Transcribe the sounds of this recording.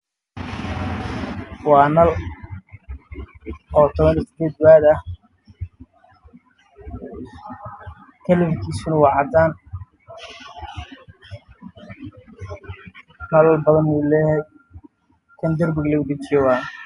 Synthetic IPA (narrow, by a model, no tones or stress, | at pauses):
wɑːnɐl | ɔːt̪ʰɔβɐnisɪd̪eːd̪̚βaːd̪ɐh | kʰɐlɪβkʰiːsʊnɐwɑːʕɑd̪aːn | ɐllbɐðɐnmɛlɛːhɛj | k̪ʰɐnd̪ɐrbɪɡlɐɣʊdɪt͡ʃɪjɛwaː